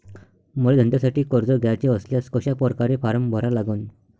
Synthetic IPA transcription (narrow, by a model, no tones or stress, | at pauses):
muɭed̪ʱənt̪jasaʈiːkəɾd͡zɔɡʱjat͡ɕeəsljaskəɕapəɾkaɾefaɾəmbʱəɾalaɡən